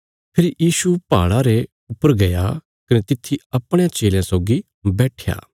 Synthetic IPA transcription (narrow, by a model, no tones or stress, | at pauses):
pʰɪɾjiːsupa̰ːɭaɾe | ʊpːəɾɡɐja | kɐnet̪ɪt̪ʰːiɐpɽ̃eãt͡ʃeːljãsoːɡi | bɛːʈʰja̰ː